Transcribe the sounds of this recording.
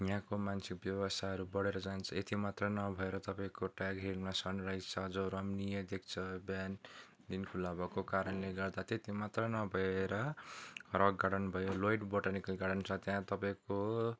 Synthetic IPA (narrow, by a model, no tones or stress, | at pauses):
jãkomansik̚bjʌbʌst̪ʰaʌɾubʌɽeɾʌd͡zant͡sʰʌet̪imat̪rʌnʌbʱʌeɾʌt̪ʌpaĩkoʈaɡɦelmasʌnrajt͡sʰʌd͡zoɾʌmnijʌd̪ek̚ʰt͡sʰʌbjan | d̪inkʰulabʌkokaɾʌnleɡʌrd̪at̪et̪imat̪rʌnʌbʱʌeɾʌ | rʌɡɡaɽʌnbʱʌjolojʈboʈanikʌlɡaɽʌnt͡sʰʌt̪jãt̪ʌpaĩko